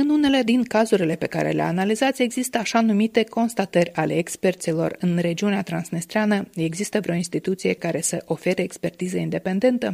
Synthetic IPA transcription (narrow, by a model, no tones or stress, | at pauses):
ɨnune̞le̞d̪inkazuɾile̞pe̞ka̰ɾʔḛlea̰analizat̪sʲe̞ɡzist̪əaʃanumit̪e̞ko̞nst̪at̪ərʲale̞ːkspe̞rt̪silo̞̰rɨnre̞d͡ʒiuneat̪ɾansnist̪ɾeanəe̞ɡzist̪əvɾʲo̞inst̪it̪ut̪sije̞kaɾe̞səʔo̞fe̞ɾeːkspe̞rt̪izəind̪e̞pe̞nd̪e̞nt̪ə